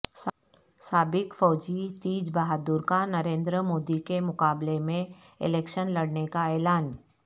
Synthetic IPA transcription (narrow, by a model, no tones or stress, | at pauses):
s | saːbɪkfɔːd͡ʒit̪iːd͡ʒbaɦaːd̪uːɾkanɐɾẽːnd̪ɾəmoːd̪ikemʊkaːblemẽ | ɪ̰lɛːkʃənlɐɽnekaɛːlaːn